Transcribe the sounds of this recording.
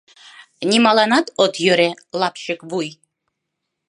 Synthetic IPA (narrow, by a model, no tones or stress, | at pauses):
nʲimɑlˠɑnɑt̪ot̪jøɾe | lˠɑpʃɪkvuj